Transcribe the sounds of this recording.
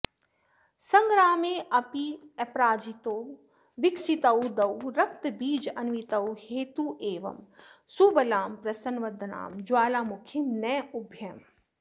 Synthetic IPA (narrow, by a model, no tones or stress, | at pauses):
sɐŋɡɾaːmeːʔɐpiɐpɾaːd͡ʒit̪oː | ʋɪksit̪ɐwd̪ɐwɾɐk̚t̪biːd͡ʒɐnʋit̪ɐwheːt̪uʔeːʋɐ̰msubɐlaːmpɾɐsɐnʋɐd̪ʱna̰ːmd͡ʒwaːlaːmʊkʰinɛːubʱjɐm